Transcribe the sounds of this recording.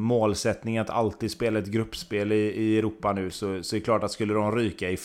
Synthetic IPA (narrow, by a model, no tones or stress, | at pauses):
moːlsɛt̪nɪŋat̪ʰa̰lt̪iːd̪speːlaɛt̪ɡɾɵpːspeːlɪɪɛɾuːpːanʉ̟ːsɔsɔd̪ɛɛkʰlɑːʈat̪skɵlːəd̪ɔmɾyːkaɪf